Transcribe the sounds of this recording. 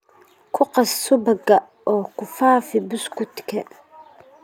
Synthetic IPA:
kʰʊqasːubaɡa | ɔkufaːfibuskut̪kɛ

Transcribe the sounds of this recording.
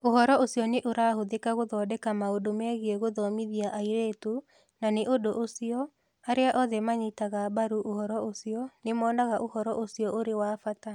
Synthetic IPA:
ohɔɾɔosijɔneʔoɾaːhoðekaɣoðɔːdɛkamaodomɛɣeɛɣoðɔmiðiaʔaiɾeːto | naneʔodoʔosiɔ | aɾeaʔɔðɛmaɲitaɣabaɾuʔohɔɾɔosiɔnemɔːnaɣaʔohɔɾɔʔosiɔʔoɾewaːfata

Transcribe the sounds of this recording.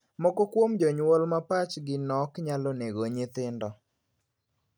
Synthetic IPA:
mɔkɔkwomd͡ʒɔɲwolmapat͡ʃɡɪnɔkɲalɔneɡoɲɪt̪ɪndɔ

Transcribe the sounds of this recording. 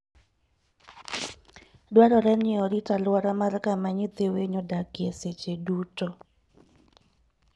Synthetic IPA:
dwaɾɔɾɛnɪɔɾitalwaɾamarkamaɲit̪eweɲɔdakɪeset͡ʃedutɔ

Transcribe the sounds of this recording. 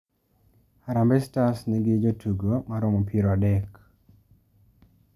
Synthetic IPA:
aɾambɛstasniɡɪd͡ʒotʰuɡomaɾomɔpʰiɾɔadɛk

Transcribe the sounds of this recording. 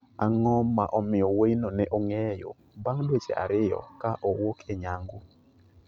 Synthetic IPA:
aŋɔmːaʔɔmɪɔweinonɛʔɔŋɛjo̰ | baŋdwet͡ʃḛʔa̰ɾɪjɔ̰kaʔɔwokʰeɲaŋɡʊ

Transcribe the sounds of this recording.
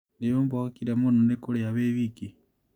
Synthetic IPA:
nejombaakiɾamononekoleaβeβiki

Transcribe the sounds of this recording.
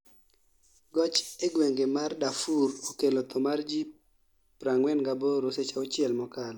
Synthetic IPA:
ɡɔt͡ʃeɡweŋɡemardafuɾokelɔt̪ɔmard͡ʒi | pɾaŋwɛnɡaboɾoset͡ʃaot͡ʃɪɛlmɔkalɔ

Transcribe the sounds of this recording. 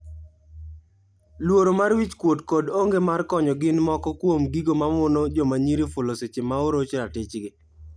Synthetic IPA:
lwoɾomarwit͡ʃkwodkodoŋɡemarkɔɲɔɡɪnmɔkɔkwomɡiɡomamʊnod͡ʒɔmaɲiɾifʊloset͡ʃemaoɾot͡ʃɾatɪt͡ʃɡɪ

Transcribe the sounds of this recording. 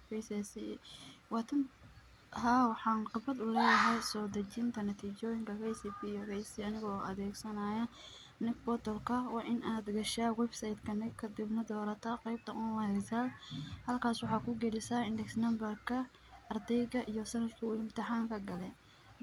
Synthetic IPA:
fɛsɛsiwɑːt̪ʰɐn | ɦaːwɑħɑːnqɪbɐd̪ʊlɛːjɐɦɛjsɔːd̪ɐt͡ʃɪnt̪ʰɐnɐt̪ʰiːt͡ʃɔːjɪŋkʰɐfɛjsipijɔvɛjsiɐnɪɣɔːʔɐ̰ðɛːɡsɐnaːjɐ | nɪɡbɔt̪ɔlkʰɐwɑːʔɪnʔaːd̪ɡɐʃaːwɛbsajd̪kʰɐnɪkʰɐd̪ɪbnɐd̪ɔːɾɐt̪ʰɐqɛjb̚t̪ʰɐʔʊwɐhɛsaːlhɐlkʰaːswɑħɑːkʰʊɡɛlɪsaɪndɛksnɐmbɐrkʰɐ | ʔɐrd̪ɛjɣɐʔijɔsɐnɐd̪kʰɐɪmt̪ʰɪħɑːŋkʰɐɡɐlɛ

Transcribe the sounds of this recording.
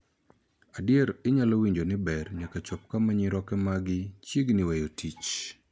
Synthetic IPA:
adjɛɾɪɲalowiɲd͡ʒonɪbɛrɲakat͡ʃɔp̚kamaɲiɾɔkɛmaɡɪt͡ʃjiɡnɪwejotit͡ʃ

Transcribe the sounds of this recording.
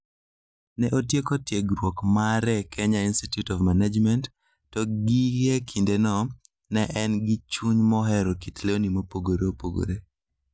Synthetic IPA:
nɛʔotjekotjeɡɾwokmaɾɛkʰɛɲainstitjutɔvmanad͡ʒmɛntː | ɔɡiɛkʰindenɔ | nɛʔɛnɡit͡ʃuɲmɔɦɛɾokitleonimopoɡoɾeopoɡo̰ɾe

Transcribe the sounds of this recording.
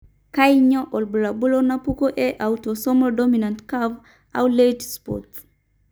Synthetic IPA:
kajɲɔʔɔlbulabulonapukoʔɛʔawtosɔmɔdɔminãntkav | awletspɔ̰t

